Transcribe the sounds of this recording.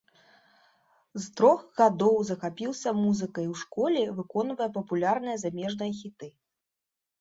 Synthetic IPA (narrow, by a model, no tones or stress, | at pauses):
zt̪ɾɔxɣad̪ɔwzɐxapʲiwsʲɐmuzɨkɐjwʂkɔlʲɛvɨkɔnvɐjɛp̬ɐpulʲarnɨjɐzamʲɛʐnɐjɐxʲit̪ɨ